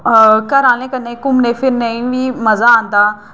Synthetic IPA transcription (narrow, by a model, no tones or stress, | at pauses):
kəɾãːlẽːkənẽːkʊmnẽːpʰɪɾnəĩʋiːmɐzaːaːnd̪aː